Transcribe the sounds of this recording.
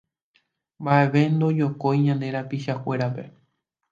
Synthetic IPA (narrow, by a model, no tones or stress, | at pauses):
mbaʔeʋe̞nd̪o̞d͡ʒo̞ko̞jɲãnd̪e̞ɾapiʃakʷe̞ɾape̞